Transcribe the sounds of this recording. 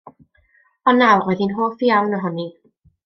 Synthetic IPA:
ɔnawroðinɦoːfiawnɔɦɔni

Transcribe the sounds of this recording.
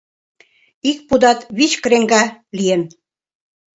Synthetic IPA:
ik̚pud̪ɑt̪βit͡ɕkəɾeŋɡɑlijen

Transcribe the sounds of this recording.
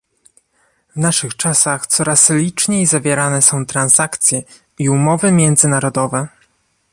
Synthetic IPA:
vnaʂɘxt͡ʂasaxt̪sɔɾaslʲit͡ʂɲejzavʲjɛɾanɛsɔ̃w̃t̪ɾanzakt̪sʲjɛ | iumɔvɘmʲjɛnd̪zɘnaɾɔd̪ɔvɛ

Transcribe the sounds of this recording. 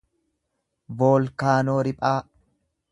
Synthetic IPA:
boːlkaːnoːɾɪpʼaː

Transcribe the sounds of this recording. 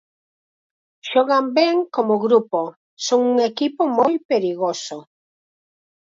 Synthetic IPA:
ʃɔɣambɛŋkomʊɣɾupo | soŋuŋekipomojpeɾiɣoso

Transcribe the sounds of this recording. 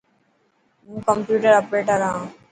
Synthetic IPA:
mũːkəmpjuːʈəɾəpɾeːʈəɾãː

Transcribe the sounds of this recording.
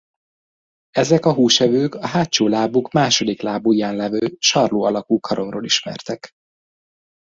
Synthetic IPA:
ɛzɛkɒɦuːʃɛvøːkɒɦaːtt͡ʃoːlaːbukmaːʃo̞d̪iklaːbujaːnlɛvøːlʃɒrloːɒlɒkuːkʰɒɾo̞mro̰ːliʃmɛ̰rt̪ɛk

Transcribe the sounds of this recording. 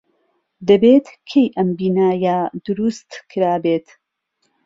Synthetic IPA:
d̪ɐbeːt̪kʰejʔɐmbiːnaːjad̪̥ʊɾust̪kʰɨɾaːbeːt̪

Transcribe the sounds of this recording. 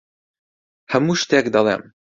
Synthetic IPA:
həmuʃt̪ɛkd̪ɑlɛ̰m

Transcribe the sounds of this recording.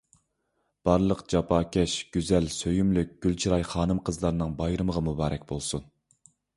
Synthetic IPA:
b̥ɑɾlˠəqd͡ʒɑpʰɑːkʲʰɛʃɡ̥ʲyzɛlsøjymlyk̚ʲɡ̥ʲylt͡ʃʰiɾɑjχɑːnɨmqʰəzlˠɑɾnɨŋbɑjɾɨməʁɑmubɑːɾɛkʲbolˠsun

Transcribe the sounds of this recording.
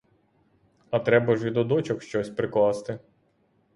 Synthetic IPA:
ɐt̪ɾɛbɐʒʋʲid̪ɔd̪ɔt͡ʃɔkʃt͡ʃɔsʲpɾɪklˠɑst̪ɪ

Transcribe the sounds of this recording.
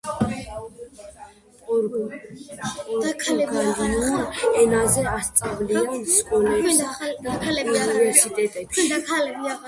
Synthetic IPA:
akʰaɡnuɛnazɛast̪sʼavliɔnskʼɔlɛikʰalɛiivɛɾsit̪ʼɛt̪ʼɛbid̪akʰalɛbia

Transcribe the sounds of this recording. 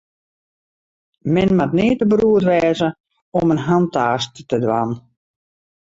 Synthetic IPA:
mɪnmatnɪːətəbruətʋɛːzə | ɔmənɦantaːsttədʋa̰n

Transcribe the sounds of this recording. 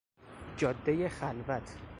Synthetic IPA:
d͡ʒɒːd̪ːejexælvæt̪ʰ

